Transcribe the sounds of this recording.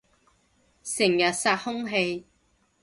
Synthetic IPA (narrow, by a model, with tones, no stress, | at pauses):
sɪ˨˩ŋjɐ˨˩t̚saː˧t̚hʊ˥ŋɦe˧j